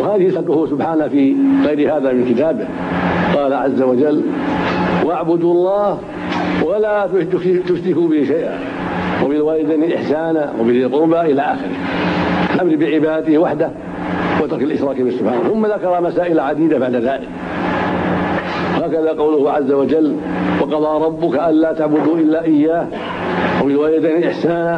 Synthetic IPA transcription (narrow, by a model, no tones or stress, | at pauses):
whaːðɪhɪsɑkʊhʊsʊbħaːnafiɣajɾɪhaːðamɪnkɪt̪aːbɪh | qɑːlaʕa̰zːawad͡ʒalː | waʔaʕbʊd̪uɑlˤːɑːh | walat̪ʊt̪ʊfsɪkubɪhiʃajʔa̰ | wabɪlwaːɾɪd̪anɪlʔɪ̰ħsaːnawɪbɪllqʊɾbaʔɪlaʔa̰ːxɪ̰ɾɪ̰hfaʔamɾibɪʕɪbaːd̪at̪ɪhwaħd̪ah | wɪt̪ɑɾkalʔɪʃɾˤɑːkbɪsʊb̥ħa̰ːnaθʊmːaðakɑɾˤɑmasaːʔɪlaʕad̪iːd̪abaʕd̪aðaːlɪ̰k | haːkaðaːqɑwlʊhʕazːawad͡ʒalː | wɑqɑðˤɑːɾˤɑbːʊkaʔanlaːt̪aʕbʊd̪uːʔɪlːaːʔɪjːaːh | wamɪnwaːjad̪aniʔɪħsaːna